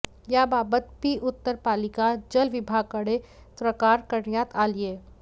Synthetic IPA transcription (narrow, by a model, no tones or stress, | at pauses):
jaːbaːbət̪bʱiʔʊt̪ːəɾpaːlɪkad͡ʒɐlʋɪbʱaːɡ̚kɐɽe | tɾəkaːɾkɐɾnjaːt̪ʰaːlieː